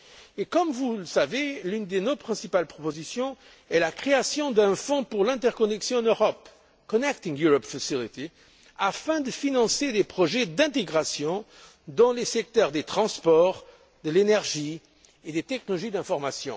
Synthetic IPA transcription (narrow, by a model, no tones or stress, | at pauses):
ekɔmvuləsavelynd̪enopχɛ̃sipalpχɔpozisjɔ̃ | ɛlakχeasjɔ̃d̪ɛ̃fɔ̃puʁlɛ̃t̪ɛʁkɔnɛksjɔ̃ɑ̃nøʁɔp | kɔnɛk̚t̪ĩŋjuʁɔpfasilit̪i | afɛ̃d̪əfinɑ̃sed̪epχɔʒɛd̪ɛ̃t̪eɡʁasjɔ̃ | d̪ɑ̃lesɛk̚t̪œʁd̪et̪χɑ̃spɔʁ | d̪əlenɛʁʒi | ed̪et̪ɛknlɔʒid̪ɛ̃fɔʁmasjɔ̰̃